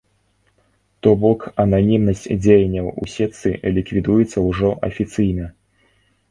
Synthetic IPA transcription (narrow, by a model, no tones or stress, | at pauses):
t̪ɔbɔkɐnanʲimnɐsʲt͡sʲd͡zʲejanʲːɐwṵsʲɛt̪sɨlʲikvʲid̪ujɛt̪sːɐwʐɔʔɐ̰fʲit̪sɨjnɐ